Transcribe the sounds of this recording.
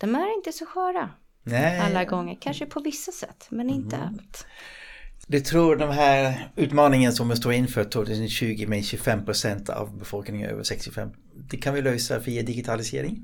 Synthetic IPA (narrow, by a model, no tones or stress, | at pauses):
d̪̥ɔmæɾɪnt̪əsɔɧæːɾa | nɛalːaɡɔŋːəɾkʰanʂəpʰɔvɪsːasɛ̰t̪ːmɛnɪnt̪ə̰a̰lt̪ | d̪ɛt̪ʰɾuːɖɛnɦæːɾʉ̟ːt̪mɑːnɪŋənsɔmɛst̪oːɪnːfœːɾt̪ʰːoːɡt̪ʰʉ̟ːsənɕʉ̟ːɡɪmɛɕʉfɛmːpʰɾʊsɛnt̪ʰa̰vbɛfɔlknɪŋə̰nø̰ːvə̰ʂɛkst̪ɪfɛ̰m | d̪ɛkʰanvɪløːsaviːad̪ɪɡɪt̪ʰalɪsḛːɾɪŋ